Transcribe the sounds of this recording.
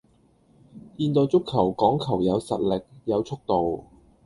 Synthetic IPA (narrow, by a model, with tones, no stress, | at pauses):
jiː˧nt̪ɔː˧wt͡sʊ˥kʰːɐ˨˩wkɔː˨˥ŋkʰɐ˨˩wjɐ˨˧wsɐ̰˨t̚lɪ˨k̚jɐ˨˧wt͡ʃʰʊ˥k̚t̪o˨w